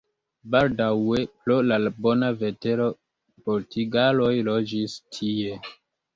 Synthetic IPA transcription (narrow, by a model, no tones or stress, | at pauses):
baldawe̞plolalbo̞nave̞te̞ɾo̞ | poɾtʰiɡalo̞jlo̞d͡ʒistʰie̞